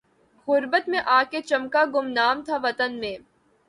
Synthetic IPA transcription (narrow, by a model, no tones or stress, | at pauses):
ɣʊɾbət̪mẽʔaːket͡ʃɐmkaɡʊmnaːmt̪ʰaʋɐt̪ənmẽː